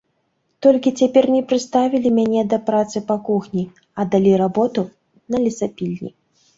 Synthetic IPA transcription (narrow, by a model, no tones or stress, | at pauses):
t̪ɔlʲkʲit͡sʲapʲɛrnʲɛpɾɨst̪avʲilʲimʲanʲɛd̪ɐpɾat̪sɨpakuxnʲi | ɐd̪alʲiɾabɔt̪u | nɐlʲisapʲilʲnʲḭ